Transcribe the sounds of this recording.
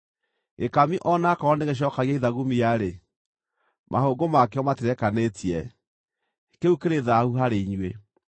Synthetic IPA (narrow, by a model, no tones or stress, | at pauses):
ekamiʔɔnakaɔndeɣeɕ̬ɔːkaɣiaiðaɣumijaɾe | mʔahoːɡomakeɔmateɾɛkanetʰiɛ | keukeɾeðahuɦaɾeiɲwe